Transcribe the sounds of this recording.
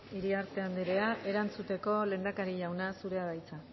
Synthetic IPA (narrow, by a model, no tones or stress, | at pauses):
iɾiaɾt̪e̞and̪eɾe̞aʔe̞ɾant͡sut̪e̞ko̞le̞ːnd̪akaɾiʎawnasuɾe̞aβajt͡sa